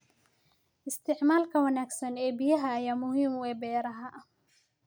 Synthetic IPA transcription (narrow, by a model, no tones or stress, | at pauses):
ʔɪst̪ʰɪʕmaːlkʰɐwɐnaːɡsɐnɛːbɪjɐɦɐːjaːmʊhiːmʊɛːbɛːɾɐɦɐʔɐ